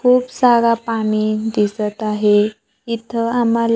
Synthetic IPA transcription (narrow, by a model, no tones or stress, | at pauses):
kʰuːpsaɾapaɳid̪isət̪aɦe | it̪ʰəamal